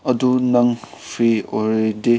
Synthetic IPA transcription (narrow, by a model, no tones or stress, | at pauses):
ɐdunɐŋpʰioɾede